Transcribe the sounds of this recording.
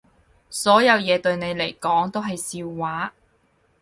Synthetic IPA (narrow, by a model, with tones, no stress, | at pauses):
sɔː˨˥jɐ˨˧wjɛː˨˧t̪ɵ˧ɥne˨˧jle˨˩jkɔː˨˥ŋt̪o˥wɦɐ˨jsiː˧wːaː˨˥